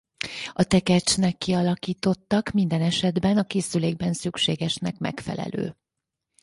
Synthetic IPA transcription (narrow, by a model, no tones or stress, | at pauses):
ɒt̪ɛkɛt͡ʃnɛkːiɒlɒkiːt̪o̞t̪ːɒkmind̪ɛnɛʃɛd̪bɛnɒkeːsyleːɡ̚bɛnsykʃeːɡɛʃnɛkmɛ̰kfɛ̰lɛ̰lø̰ː